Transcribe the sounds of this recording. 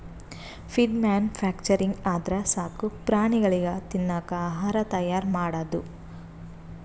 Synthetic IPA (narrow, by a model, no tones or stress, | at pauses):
fʰiɖmaːnpʰaːk̚t͡ʃɐɾiŋɡaːd̪ɾɐsaːkupɾaːɳiɡɐɭiɡɐt̪inːaːkɐɦaːɾɐt̪ɐjaːɾmaːɽɐd̪u